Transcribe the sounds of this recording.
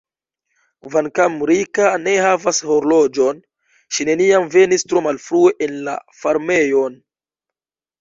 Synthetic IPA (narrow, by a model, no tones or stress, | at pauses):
vankamɾikane̞havashoɾlo̞d͡ʒo̞n | ʃine̞niamve̞nistɾo̞malfɾue̞ʔenla̰faɾme̞jo̞n